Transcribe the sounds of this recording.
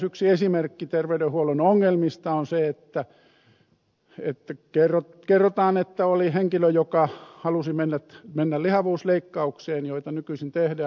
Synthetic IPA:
syksiesimerkːit̪erʋeydehuolonoŋːelmist̪ɑonseet̪ːæ | ḛt̪ːækerːo | kerːot̪ɑːnet̪ːæoliheŋkiløjokɑhɑlusimenːæt̪menːællihɑʋuːsleikːɑukseːnjoit̪ɑnykysint̪ehdæː

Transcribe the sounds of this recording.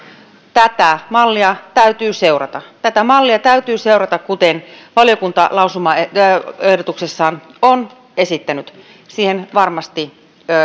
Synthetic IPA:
t̪æt̪æmɑlːiɑt̪æyt̪yːseurɑ̰t̪ɑt̪æt̪æmɑlːiɑt̪æyt̪yːseurɑt̪ɑkkut̪enʋɑljokunt̪ɑlɑusumɑeehdot̪uksesːɑːnon | esit̪ːænyt̪ | siːhenʋɑrmɑst̪i

